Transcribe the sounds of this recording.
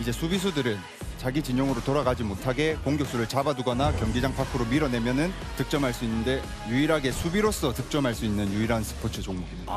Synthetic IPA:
id͡ʑe̞sʰubis̬ʰudɯɾɯn | t͡ɕaɡid͡ʑiɲoŋɯɾotoɾaɡad͡ʑimotʰaɡe̞koŋɡjok̚s͈uɾɯɭt͡ɕabaduɡʌnakjʌŋɡid͡ʑaŋpʰakʰɯɾomiɾʌne̞mjʌnɯn | tɯk̚t͡ɕ͈ʌmɦaɭs͈uinːɯnde̞ | juiɾɦaɡe̞sʰubiɾos͈ʌtɯk̚t͡ɕ͈ʌmɦaɭs͈uinːɯnjuiɾansʰɯ̥pʰot͡ɕʰɯt͡ɕoŋmoɡimia

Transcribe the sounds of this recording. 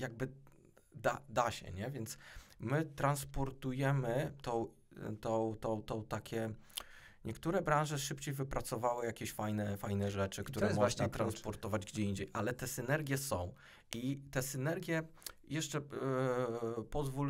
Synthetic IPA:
jaɡ̚bɘ | d̪ad̪aɕɛ̰ɲɛvʲjɛnt̪smɘt̪ɾanspɔɾt̪ujɛmɘt̪ɔ̃w̃ | t̪ɔ̃wt̪ɔ̃w̃t̪ɔ̃w̃t̪akʲɛ | ɲɛkt̪uɾɛbɾãñʐɛʂɘpt͡ɕejvɘpɾat̪sɔvawɘjakʲeɕfajnɛfajnɛʐɛt͡ʂɘkkt̪uɾɾɛmɔʐnat̪ɾanspɔɾt̪ɔvad͡ʑɡd͡ʑɛiɲd͡ʑejʔalɛt̪ɛsɘnɛɾɡʲjɛsɔ̃w̃ | ʔit̪ɛsɘnɛɾɡʲjɛ | jɛʂt͡ʂɛ | pɔzvul

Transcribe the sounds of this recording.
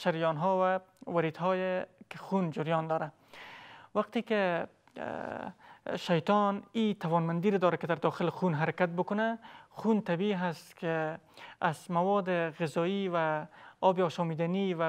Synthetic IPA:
ʃaɾjɔːnɦɔvawaɾid̪ɦɔːjekexund͡ʒʊɾjɒnd̪ɒːɾa | waq̚t̪eke | ʃajt̪ɔnit̪awɒːnmand̪iːɾed̪ɒːɾakɪd̪aɾd̪ɒːxɪlxunɦaɾakat̪̚bʊkʊnaxunt̪abiɦast̪kʰe | azmawɔd̪eɣɪzɒːivaɒbeɒːʃɒːmiːd̪aniva

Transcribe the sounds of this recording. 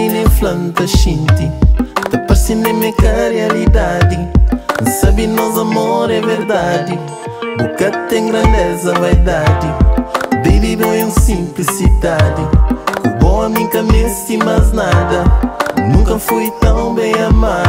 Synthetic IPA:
inẽflɐ̃nt̪ɐʃĩnt̪it̪ɐpɐɾsĩnẽmẽkaɾjalid̪ad̪ĩ | sabinɔzɐmoɾɛveɾd̪ad̪i | bukat̪ẽŋɡɾɐ̃nd̪ɛzɐvajd̪ad̪ibebid̪ũẽw̃sĩmplisid̪ad̪ikubõɐmĩkɐmest̪imaznad̪ɐnũŋkɐfujt̪ɐ̃w̃bẽj̃ɐma

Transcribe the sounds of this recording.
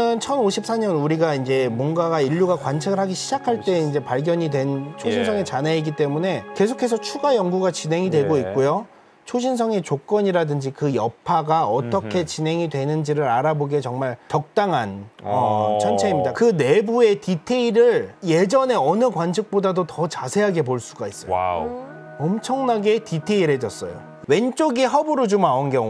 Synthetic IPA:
ɯnt͡ɕʰʌnoɕʰip̚s͈ʰaɲʌnuɾiɡaind͡ʑe̞mwʌnɡaɡaiʎːuɡakwant͡ɕʰeɡɯɭɦaɡiɕʰid͡ʑakʰaɭt͈e̞ind͡ʑe̞paɭɡjʌɲidwe̞nt͡ɕʰoɕʰins̬ʰʌŋe̞t͡ɕaneiɡit͈e̞mune̞ke̞s̬ʰokʰe̞s̬ʰʌt͡ɕʰuɡajʌŋɡuɡat͡ɕinɦe̞ŋidwe̞ɡoit̚k͈ojo | t͡ɕʰoɕʰins̬ʰʌŋe̞t͡ɕok͈ʌɲiɾadɯnd͡ʑikɯjʌpʰaɡaʌt͈ʌkʰe̞t͡ɕinɦe̞ŋidwe̞nɯnd͡ʑiɾɯɾaɾaboɡet͡ɕʌŋmaɭt͡ɕʌk̚t͈aŋɦanʌt͡ɕʰʌnt͡ɕʰeimɲidakɯne̞bue̞titʰe̞iɾɯɭje̞d͡ʑʌne̞ʌnɯkwant͡ɕʰɯk̚p͈odadotʌt͡ɕasʰe̞ɦaɡe̞poɭs͈uɡais͈ʌ | ʌmt͡ɕʰʌŋnaɡe̞titʰe̞iɾɦe̞d͡ʑʌs͈ʌjo̰ | we̞nt͡ɕ͈oɡiɦʌbuɾɯd͡ʑomaonɡeŋ

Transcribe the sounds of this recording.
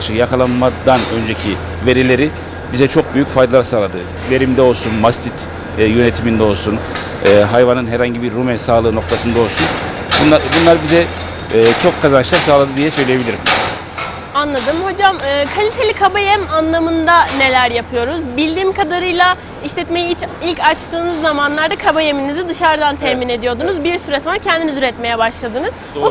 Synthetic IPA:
ʃɯjakalˠanmad̪anø̞nd͡ʒecʰi | ve̞ɾilʲe̞ɾi | bizɛt͡ʃʰo̞k̚byjycfajd̪alˠaɾasaːlˠad̪ɯ | ve̞ɾimd̪ɛo̞lˠsunmast̪ʰit̪ʰː | jø̞net̪ʰimind̪ɛo̞lˠsunː | ɦajvanɯnɦɛɾhaɲɟibiɾːumɛnsaːlˠɯːno̞k̚t̪ʰasɯnd̪ao̞lˠsun | bunabunlˠaɾbizɛː | t͡ʃʰo̞kʰːazanʃlˠaɾsaːlˠad̪ɯd̪ijɛsø̞jlʲijebilʲiɾim | anlˠad̪ɯmho̞d͡ʒamɯːkʰalʲit̪ʰe̞lʲikʰabajæmanlˠamɯnd̪ane̞lʲæɾjapʰɯjo̞ɾuzbilʲd̪iːmkʰad̪aɾɯjlˠa | iʃlʲɛt̪me̞jiit͡ʃʰilʲcat͡ʃt̪ɯːnɯzːamanlˠaɾd̪akʰabajeminizid̪ɯʃaɾd̪ant̪ʰɛhmine̞d̪ijo̞ɾd̪unuzbiɾsyɾɛsonɾacʰɛnd̪inizyɾɛt̪me̞jɛbaʃlˠad̪ɯnɯz̥ | u

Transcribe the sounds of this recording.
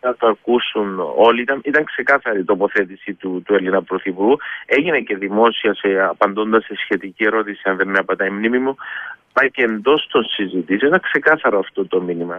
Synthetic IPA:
nɐt̪oɐɾkusuno̞liit̪ɐnit̪ɐŋkse̞kɐθɐɾit̪o̞po̞θe̞t̪isit̪ut̪ue̞linɐpɾo̞θipuɾɣue̞ʝine̞ce̞ðimo̞siɐseɐpɐnd̪o̞nd̪ɐsːesçe̞t̪icie̞ɾo̞t̪isiɐnðenːeɐpɐt̪ɐimnimimupɐce̞nd̪o̞st̪o̞nsizit̪isioit̪ɐŋkse̞kɐθɐɾoɐft̪o̞t̪o̞minimɐ

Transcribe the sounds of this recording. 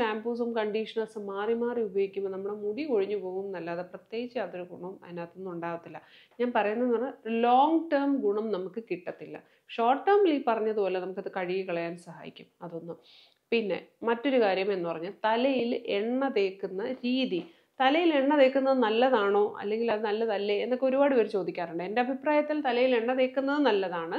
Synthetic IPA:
aːmbuːsumkɐɳɖiʂɐɳɐsɨmaːrimaːriubʱjoːɡikʲːumːɐnɐmːuɽemuɽiko̞ɻiɲːupo̞ːɣumnɐlːaːðeprɐt̪jeːɡit͡ɕːaːt̪ːoɾuɡuɳɐmɐ̰naːt̪ːenːuɳɖaːʋɐt̪ːilːɐ | ɲaːnpɐrɐjunːɐnːɐɳːɨloːŋɡʈɐrmɡuɳɐmnɐmukːɨkiʈːɐt̪ːilːɐ̰ | ʂo̞ːʈːɐːrmlipɐrɐɲːɐðupo̞ːle̞nɐmukːɐðɨkɐɻijikɐɭɐjaːnsɐɦa̰ːjḭkʲːumɐðo̞nːu | pinːe̞̰mɐtːo̞ɾukaːɾjɐme̞nːɨpɐrɐɲːult̪ɐlɐjileɳːɐðe̞ːkːunːɐɾiːði | t̪ɐlɐjile̞ɳːɐðe̞ːkːunːɐðɨnɐlːɐðaːɳo̞ːʔɐ̰lːe̞ŋɡilɐðɨnɐlːɐðɐlːeenːokːeo̞ɾubaːɽɨʋɐɾut͡ɕo̞ːd̪ikʲːaːruɳɖɨe̞nde̞ɐbʱipraːjɐt̪ːilt̪ɐlɐjile̞ɳːɐðe̞ːkːunːɐðɨnɐlːɐðaːɳɨ

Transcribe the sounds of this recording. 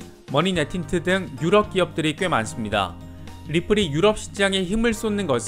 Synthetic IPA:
mʌninetʰintʰɯdɯŋjuɾʌp̚k͈iʌp̚t͈ɯɾik͈ɥe̞ma̰ns͈ɯmɲida̰ | ɾipʰɯɾijuɾʌp̚ɕ͈ʰi̥t͡ɕ͈aŋe̞çimɯɭs͈onːɯnɡʌsʰ

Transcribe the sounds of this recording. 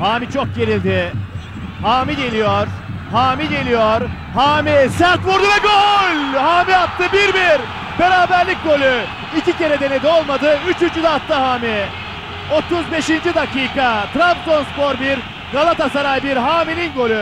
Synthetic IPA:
haːmit͡ʃʰok̚ɟe̞lʲilʲd̪ɪ | haːmiɟe̞lʲijoɾ̥haːmiɟe̞lʲijoɾ | haːmisæɾt̪vuɾd̪uvɛɡolʲhaːmiat̪ːɯbiɾbiɾ | b̥e̞ɾaːbæɾlʲic̚ɡo̞lʲy | icice̞ɾɛd̪e̞ne̞d̪io̞lˠmad̪ɯyt͡ʃynt͡ʃyd̪aat̪ːɯɦaːmi | o̞t̪uzbe̞ʃind͡ʒid̪akiːkat̪ɾamsonspoɾbiɾ | ɡalˠat̪asaɾajbiɾɦaːmininɡo̞lʲy

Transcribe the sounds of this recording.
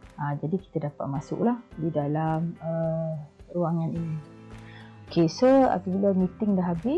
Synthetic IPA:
ad͡ʒadiki̥t̪ədapat̪̚masʊ̰ʔlahdidalamə | ɾuaŋanini | okʰesəa̰pəbiləmit̪ɪŋdaɦabɪ

